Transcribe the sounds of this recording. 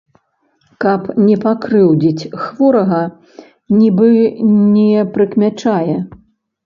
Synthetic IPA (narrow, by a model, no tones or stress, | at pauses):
kɐpnʲɛpakɾɨwd͡zʲit͡sʲxvɔɾɐɣɐ | nʲibɨnʲɛpɾɨkmʲat͡ʂajɛ